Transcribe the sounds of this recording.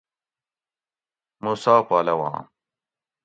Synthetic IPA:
musaːpaːlɐwã̰ː

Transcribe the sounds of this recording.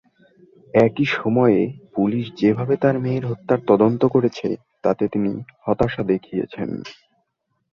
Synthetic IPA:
ɛkiʃɔmɔeepuliʃd͡ʑebʱabet̪aɾmeeɾɦot̪ːaɾt̪ɔd̪ont̪okoɾet͡ɕʰe | t̪at̪et̪inihɔt̪aʃad̪ekʰijḛt͡ɕʰḛn

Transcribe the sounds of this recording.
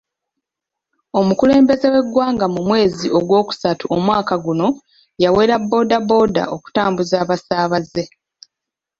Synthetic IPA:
o̞mukule̞ːmbe̞ze̞we̞ɡwaːŋɡamumwe̞ːziʔo̞ɡwo̞ːku̥satuʔomwaːkaɡuno̞ | jawe̞ːɾabːo̞ːdabo̞da̰o̞ku̥taːmbuzaːβasaːβaze̞

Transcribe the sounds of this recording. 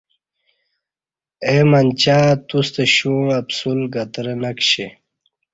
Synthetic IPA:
emant͡ɕaːt̪ust̪eɕuapsulɡat̪ɾenakɕe

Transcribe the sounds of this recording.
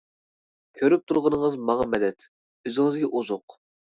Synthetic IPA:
kʲʰøɾyp̚t̪ʰuɾʁənəŋəzmɑŋɑmɛd̪ɛt̪ | øzɪŋɪzɡʲɛʔuzʊq

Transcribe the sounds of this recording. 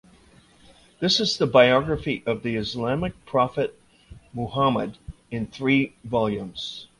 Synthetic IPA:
ðɪsɨzðəbaɪɑɡɹɨfiʔʌvðiɨzlæmɨk̚pʰɹ̥ɑfɨt̚ | mohamə̰d | ɨ̃nθɹivɑlˠjʉ̃mz̥

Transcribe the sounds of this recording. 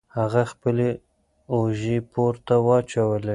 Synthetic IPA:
haɣaxpəle | oʒepoɾt̪awɑt͡ʃawəle

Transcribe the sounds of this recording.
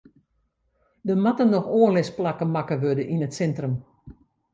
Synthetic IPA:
dəmatənɔxoːənlɪsplakəmakəʋødəʔinətsɛntrəm

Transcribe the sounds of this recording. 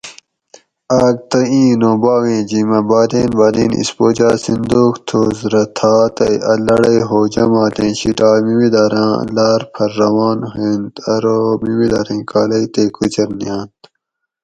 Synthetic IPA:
aːɡ̚t̪ɐĩːnõːbaːwẽːd͡ʑimɐbaːd̪eːnbɐːd̪inḭspoːd͡ʑaːsind̪oːkt̪ʰozɾɐt̪ʰaːt̪ɐjʔɐlɐɽɐjɦoːd͡ʑɐmaːt̪ẽːɕiʈaːmimid̪ɐːɾã̰ːlaːɾpʰɐɾːɐwɑːnɦẽːnt̪ɐɾoːmimid̪ɐɾẽːkaːlɐjt̪eːkʰut͡ɕɐɾnijãːnt̪

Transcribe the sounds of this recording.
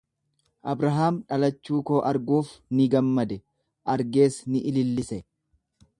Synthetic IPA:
ʔɐbɾɐɦaːmᶑɐlɐt͡ʃːuːko̞ːʔɐɾɡuːfnɪɡɐmːɐd̪ɛ | ʔɐɾɡe̞ːsnɪʔɪlɪlːɪsɛ

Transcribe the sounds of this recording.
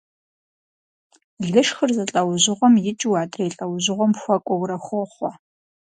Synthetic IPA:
ɮɨʂxərzɨɬʼɐwʑɪʁʷɔmjɪt͡ʃʼɪwaːdrɐjɬʼɐwʑɪʁʷɔmxʷɐkʷʼɔwɾɐxʷʊχʷɔ

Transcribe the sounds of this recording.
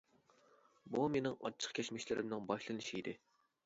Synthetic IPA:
bumenɪŋɑ̰t͡ʃʰːə̥qkʲʰɛt͡ʃmɪʃlɪɾɪmnɪŋbɑʃlˠɨnɨʃiid̪ɪ

